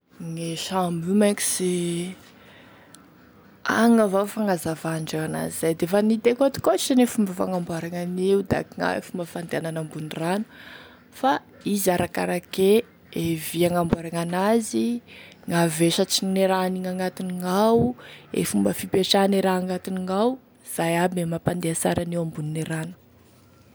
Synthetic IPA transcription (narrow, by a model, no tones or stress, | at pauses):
ŋeʃamumaki̥se | a̰ŋavafaŋazavaɳɖ͡ʐaana̰zizajd̪efanit̪ekat̪i̥kot͡ʃːanefumbəfa̰ŋambuaɾaŋaneud̪a̰kiŋa̰ḛfumbəfand̪eananambunranu̥ | fa | izaɾaka̰ɾake | eviaŋambuaɾaŋanazi | ŋaveʃət͡sineɾaniŋaŋat̪iniŋawḛfumbəfipeʈ͡ʂaniɾaaŋat̪iniŋaw | z̥ajabemapand̪easa̰ɾanewambunineɾanu̥